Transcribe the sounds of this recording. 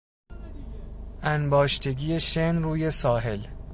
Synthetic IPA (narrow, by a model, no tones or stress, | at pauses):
ʔænbɒːʃt̪ʰeɡiːjeʃenruːje̞sɒːɦe̞l